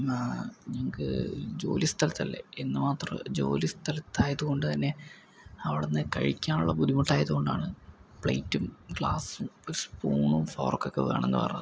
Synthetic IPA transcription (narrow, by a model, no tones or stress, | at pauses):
ɲɐŋɐkɨ̰d͡ʑo̞̰ːlist̪ʰɐlɐt̪ːɐlːḛenːɨmaːt̪rɐ̰md͡ʑo̞̰ːlist̪ʰɐlɐt̪ːaːjɐðuɣo̞ɳɖɨt̪ɐnːe̞ | ɐʋiɽenːɨkɐ̰ɻikʲːaːnuɭːɐbud̪imuʈːaːjɐðuɣo̞ɳɖa̰ːɳɨpɭɐ̰jtːumɡɭaːsumoɾuspuːɳumfo̞̰ːrkːokːeʋeːɳenːɨpɐ̰rɐ̰ɲːɐðɨ